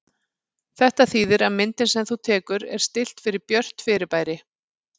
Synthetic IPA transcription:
θɛht̪aθiːðɪɾaðmɪnt̪ɪnsɛmθut̪ʰɛːkʏɾɛ̰ɾ̥st̪ɪl̥t̪fɪɾɪɾpjœr̥t̪fɪɾɪɾpaːjɾɪ

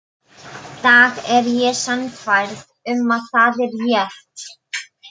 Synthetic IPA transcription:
θaɣɛɾjɛsanfajɾð | ʏmaðθaːðɛɾjɛɾ̥

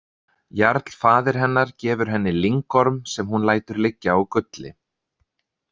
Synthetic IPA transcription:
jaɾt̪l̥faːðɪɾ̥ɦɛnːaɾ̥cɛːvʏɾ̥ɦɛnːɪliŋkɔɾmsɛmɦunlaːjt̪ʏɾlɪcːaɔkʏt̪lɪ̰

